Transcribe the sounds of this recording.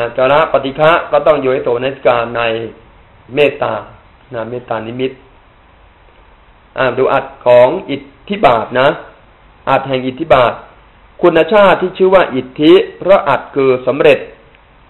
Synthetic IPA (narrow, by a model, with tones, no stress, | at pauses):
t͡ɕaː˧ɾa˦˥ʔpa˧t̪i˧˩kʰa˦˥ʔkɔː˥˩t̪ɔ˥˩ŋjuː˧˦t̪o˨˩˦na˧˥t̪ʰi̥˦kaː˧nːa˧j | meː˥˩t̪ːaː˧ | na˧jmeː˥˩t̪ːaː˧ni˦˥mi˦˥t̪̚ | ʔaː˧˩duː˨˦ʔa˨˩t̪̚kʰɔː˩˦ŋʔi˨˩t̪ʰːi˦˥baː˨˩t̪̚na˦˥ | ʔa˨˩t̪̚hɛ˨˩ŋʔi˨˩t̪ʰːi˦˥baː˨˩t̪̚ | kʰu˧nːa˧˥t͡ɕʰaː˥˩t̪ʰːiː˥˩t͡ɕʰɯː˥˩waː˥˩ʔi˨˩t̪ʰːi˦˥pʰɾɔ˦˥ʔa˨˩t̪̚kʰɯː˧sa˩˦mɾe˨˩t̪̚